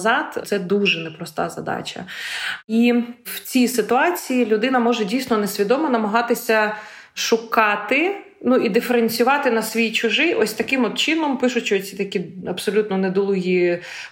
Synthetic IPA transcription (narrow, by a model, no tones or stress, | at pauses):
zɑt̪t̪sɛd̪uʒɛnɛpɾɔst̪ɑ̰zɐ̰d̪ɑ̰t͡ʃʲɐ̰ | iwt͡sʲijsɪt̪ʊɑt͡sʲijilʲʊd̪ɪnɐmɔʒɛdʲijsʲnɔnesʲʋʲid̪ɔmɔnɐmɐɦɑt̪ɪsʲɐ | ʃʊkɑt̪ɪ | nuid̪ɪfeɾenʲsʲʊʋɑt̪ɪnɐsʲʋʲijt͡ʃʊʒɪjʔɔsʲt̪ɐkɪmɔd̪t͡ʃɪnɔmpɪʃʊt͡ʃːt͡sʲit̪ɐkʲiɐbsɔlʲut̪nɔned̪ɔlˠʊɦi